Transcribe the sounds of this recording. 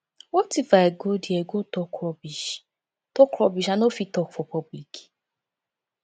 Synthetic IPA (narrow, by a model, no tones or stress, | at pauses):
otifaeɡodieɡotɔkɔbiʃ | tɔkɾɔbiʃanofitɔkfɔpɔbiki̥